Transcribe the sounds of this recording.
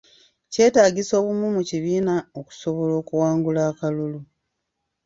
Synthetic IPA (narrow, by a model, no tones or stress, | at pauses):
ce̞ːtaːɟiso̞ːβumumuciβiːnaoku̥so̞βo̞lo̞ːkuwaːŋɡulaːkalulu